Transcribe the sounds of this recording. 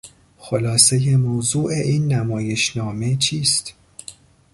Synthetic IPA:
xo̞lɒːseje̞mowzuːʔe̞ʔiːnːæmɒːje̞ʃnɒːme̞t͡ʃʰiːst̪

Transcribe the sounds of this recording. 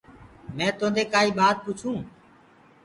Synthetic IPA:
mɛ̃ːt̪õːnd̪eːkaːiːɓaːt̪̚put͡ʃʰũː

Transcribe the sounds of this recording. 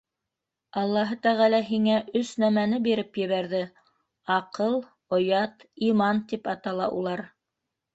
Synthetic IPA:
ɑlˠːɑɦɤt̪æʁælæɦiŋæʔɵsnæmænɘbiɾɘpjɘ̆βæɾðɘ | ɑqɤlˠ | ŏjɑt̪imɑnt̪ipɑt̪ɑlˠɑ̰ʔṵlˠɑɾ

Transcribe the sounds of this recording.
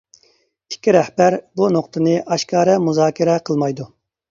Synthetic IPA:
i̥kʲːiɾɛhbæɾbunoqt̪ʰɨnɨʔɑʃkʰɑːɾɛmuzɑːkʲʰiɾɛqʰəlˠmɑjd̪u

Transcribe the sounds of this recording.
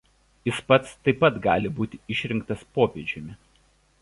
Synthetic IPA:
ɪspɐt̪st̪ɐɪpɐt̪ɡɑ̰ːlʲɪbuːt̪ʲɪɪʃʲɾʲɪŋk̚t̪ɐspoːpʲeːd͡ʒʲɪmʲɪ

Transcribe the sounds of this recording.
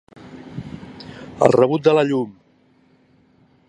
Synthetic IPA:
ə̰lˠrəβ̞ut̪̚d̪ələʎum

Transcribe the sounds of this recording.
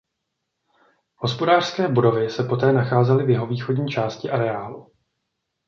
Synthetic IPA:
ho̞spo̞daːr̥skɛːbodo̞vɪsɛpo̞t̪ɛːnaxaːzɛlɪvjɛɦo̞viːxo̞dɲiːt͡ʃaːscɪʔaɾɛaːlu

